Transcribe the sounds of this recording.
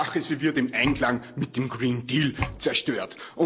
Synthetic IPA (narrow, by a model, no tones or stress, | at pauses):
axəsivɪɐtɪmʔãɪnklaŋmɪt̚d̥emɡ̥ʁiːndiːlt͡sɛɐʃtøːɐtʔʊ̃